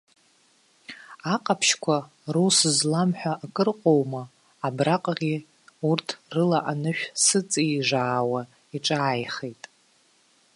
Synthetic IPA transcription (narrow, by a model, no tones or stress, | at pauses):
aqʼapʰʃkʷʰa | rusɨzlamħʷᶣaʔːkʼɨrqʼo̞wmaː | braqʼʁʲi | urtʰrɨlaʔanɨʃᶣsɨt͡sʼiʐʷaːwa | iʈ͡ʂʼaːjχejtʼ